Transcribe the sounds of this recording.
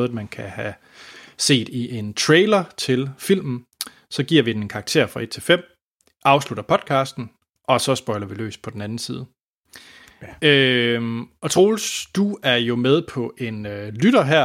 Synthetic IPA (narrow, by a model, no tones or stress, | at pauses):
ðˠmænkʰæhæ | se̝̰ːd̥iʔe̝nt͡sʰʁeːɪlɐt͡sʰe̝lfil̰mn̩ | sɒ̽ɡ̥iɐ̰ʋid̥ene̝nkʰɑ̈ɡ̥̚t͡sʰe̝̰ɐ̰fʁɑ̈ed̥̚t͡sʰe̝lfem̰ | ɑ̈ʊsluɾ̥ɐpʰɒ̽d̥̚kʰɑ̈ːsd̥n̩ | ʔɒ̽sɒ̽sb̥ɒ̽ɪlɐʋilø̰ːs̚pʰɒ̽den̩ænn̩siːð̞ˠ | ø | ɒ̽t͡sʰʁoːlsd̥uæɐjo̝með̞ˠpʰɒ̽ʔe̝nølyɾɐɦæɐ̰